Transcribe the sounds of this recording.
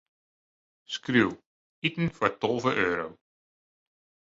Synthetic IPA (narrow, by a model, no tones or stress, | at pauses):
skruw | itn̩fɔɹtɔlˠvəʔøːɾow